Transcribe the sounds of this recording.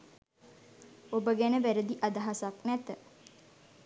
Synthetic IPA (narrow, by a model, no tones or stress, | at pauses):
obəɡænəʋæɾəd̪iʔad̪aɦasaknæt̪ə